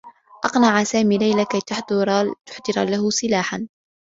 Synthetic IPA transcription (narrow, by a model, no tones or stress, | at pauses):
ʔɑqnaʕasaːmiːlajlakajt̪ʊħd̪ɾt̪ʊ̥ħd̪ɨɾˤa̰lahʊsˤɨlaːħan